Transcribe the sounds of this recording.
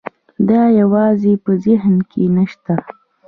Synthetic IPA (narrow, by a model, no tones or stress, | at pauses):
d̪ɑjawɑzepəzɪɦnkʰenəʃt̪a